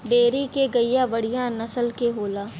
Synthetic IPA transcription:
ɖeːɾikeɡɐijaʋɐɽ̤ijãnɐsəlkeɦoːlaː

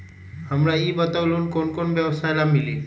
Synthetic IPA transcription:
həmɾaibət̪aʊlunkoːnkonbjəʋsajlamili

